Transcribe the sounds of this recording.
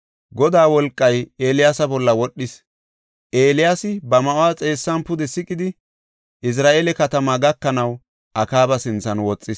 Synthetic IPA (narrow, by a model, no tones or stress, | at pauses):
ɡɔd̪aːwɔlkʼːɐjeːlɪjaːsɐbɔlːɐwɔɗːɪs | ʔe̞ːlɪjaːsɪbɐmɐʔwaːt͡sʼe̞ːsːɐnpʊd̪ɛsɪkʼɪd̪ɪ | ʔɪs̬ɾaːʔeːlɛkɐt̪ɐmaɡɐkːɐnɐw | ʔɐkaːbɐsɪnt͡sːɐnwɔt͡sʼːɪs